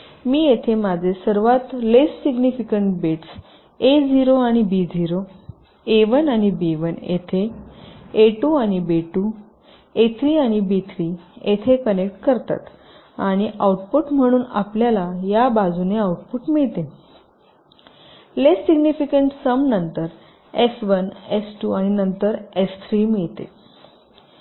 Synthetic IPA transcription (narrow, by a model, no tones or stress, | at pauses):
miːjet̪ʰemad͡zʱesəɾʋat̪lessiɡnifikəɳʈbeʈs | ed͡ziɾoãibid͡ziɾo | eʋənaɽ̃ibeʋənḛt̪ʰeː | ʈuaɽ̃ibeʈu | et̪ʰɾiːaɽ̃ibit̪ʰɾiːet̪ʰekənekʈkəɾt̪a̰t̪ | aɽ̃iʔauʈpuʈm̤əɽ̃uːna̰pljalajabad͡zuneauʈpuʈmiɭt̪e | lesːiɡnifikəɳʈsəmnənt̪əɾ | esʋənesʈuaɽ̃inənt̪əɾest̪ʰɾiːmiɭt̪ḛ